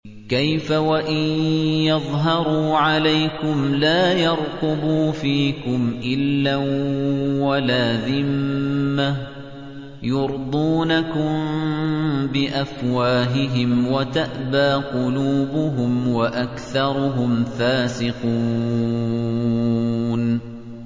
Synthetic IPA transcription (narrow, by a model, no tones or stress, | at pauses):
kajfawaʔɪnjɑðˤɦɑɾˤuːʕalajkʊmlaːjɑɾˤt̪ʊbuːfiːkʊmʔɪlːa | walaːðɪmːa | jʊɾd̪ˤuːnakʊm | bɪʔafwaːɦɪɦɪmwat̪aʔbaːqʊluːbʊɦʊmwaʔakθɑɾˤʊɦʊmfaːsɪquː | n